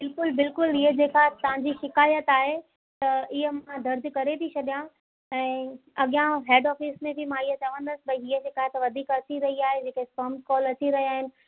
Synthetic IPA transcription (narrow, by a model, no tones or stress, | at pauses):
bɪlkʊlbɪlkʊlɪɦəd͡ʑeːkaɦt̪ɐʋ̤ãɲd͡ʑiʃɪkaːjət̪aːɦe | t̪ɐɪɦəmãd̪ɐɾd̪kɐɾet̪ʰit͡ɕʰɐɗijã | ɛ̃ːɐɠjãɦeːɖɔːfismẽbɪmãɪɦət̪ɐʋə̃nd̪əsɪbɐiiɦəd͡ʑeːkaːɦet̪ɐʋɐd̪ʱiːkɐt͡ɕiɾɐɦiaːɦed͡ʑeːkespɐːmkɔːlɐt͡ɕiɾɐɦiaːɦɪnɪ̆